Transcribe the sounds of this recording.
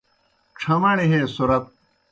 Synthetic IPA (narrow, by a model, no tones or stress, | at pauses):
ʈ͡ʂʰɐmɐɽ̃iɦẽːsuɾɐt̪̚